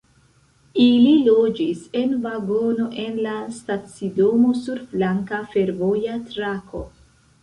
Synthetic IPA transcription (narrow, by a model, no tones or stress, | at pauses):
ililo̞d͡ʒise̞nvaɡo̞no̞ʔe̞nlastat͡sido̞mo̞suɾflaŋkafe̞ɾvo̞jatɾakʰo̞